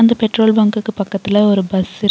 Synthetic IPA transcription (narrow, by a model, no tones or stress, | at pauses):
nd̪ɐpɛʈroːlbɐːŋkɯkːɯpːɐkːɐt̪ːɪlɐɔɾɯbɐsɪ